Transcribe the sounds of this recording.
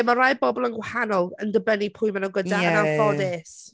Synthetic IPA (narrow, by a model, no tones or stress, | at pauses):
marajbɔbɔlˠənɡwahanɔlˠəndəbənipʰʊɨmanawɡədanafɔdɛs